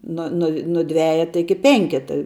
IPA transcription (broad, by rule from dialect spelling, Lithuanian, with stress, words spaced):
ˈnʊ nʊ nʊ ˈdʲʋʲæːjɛtɐ ˈɪkʲɪ ˈpʲɛŋʲkʲɛtɐ